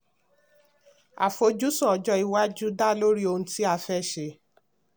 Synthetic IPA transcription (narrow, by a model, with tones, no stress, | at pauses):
a̰˨fo˧d͡ʒu˦sɔ̃˦ɔ˨d͡ʒɔ˧i˨wa˦d͡ʒu˦da˦˨lo˦ɾi˦o˧nũ˧˦ti˦a˧fɛ˦˨ʃe˧